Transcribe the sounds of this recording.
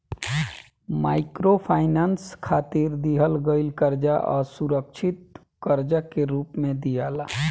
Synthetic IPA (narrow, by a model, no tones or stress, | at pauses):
maːɪkɾopʰaːɪnaːnskʰaːt̪iɾd̪iɦəlɡəɪlkəɾd͡ʒaʔɔ̰ːɾsuɾəkʃʰɪt̪̚ | kəɾd͡ʒakeɾuːpmẽd̪ijaːla